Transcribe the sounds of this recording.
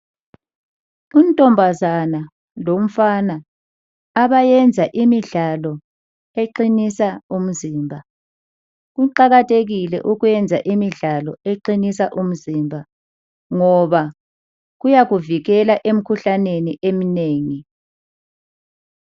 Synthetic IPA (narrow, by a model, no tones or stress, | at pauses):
untʼɔmbʱazana | lom̩fanaː | βajɛnd͡zʱaʔimiɮalɔ | eǃinisaum̩ziːmbʱa | ɣuǃaɣatʰʼeɣilɛ̰ʔuɣujɛnd͡zʱaʔimiɮalɔeǃinisaʔum̩zimbʱa | ŋɔβa | ɣujaɣuviɣɛlaʔem̩kʰuɬaneniʔemineːŋi